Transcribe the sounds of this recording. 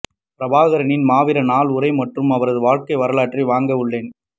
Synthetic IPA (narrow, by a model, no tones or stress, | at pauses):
pɪɾɐbaːɣɐɾɐnɪnmaːʋɪɾɐnaːlʊɾɐɪmɐʈrɯmɐʋɐɾɐðɯʋaːɻkɐɪʋɐɾɐɭaːʈriʋaːŋɡɐɯɭːeːn